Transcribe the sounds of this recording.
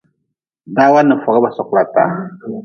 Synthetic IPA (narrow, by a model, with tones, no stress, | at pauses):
daː˦wa˦nːɨ˨fɔ˨ɡa˦ba˨sɔ˨kla˨ta̰ː˨˦